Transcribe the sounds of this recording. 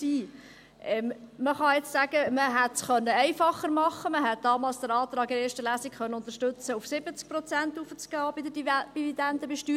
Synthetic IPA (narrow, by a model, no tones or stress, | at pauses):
iː | ʔɛmməχɑjɛt͡ssæɡ̥əməɦætsχœnːəɛɪfɑχːəɾmɑχːəməɦɛt̪̚d̥ɑːmɑːlsd̪̥əɾɑːt̪ɾɑːɡɪɾeːɾʃtəlæːsikχœnːəʊnt̪əɾʃtɵt͡səufsɪbət͡sk̚pɾɔt͡sænt̪ufət͡sɡ̥ɑːbid̪ədb̥ividɛnd̪əbɛʃtyː